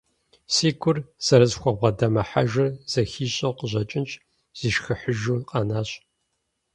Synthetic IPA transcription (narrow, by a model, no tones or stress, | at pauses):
siːkʷʰʊrz̥ɐɾɐzxʷɔbʷʁɐdɐmɐħa̰ʒɐrz̥ɐxiːɕʼɐqəʑɐt͡ʃʼɪnt͡ʃʼ | z̥iːʃxɨħəʒuːqʼɐnaːɕʼ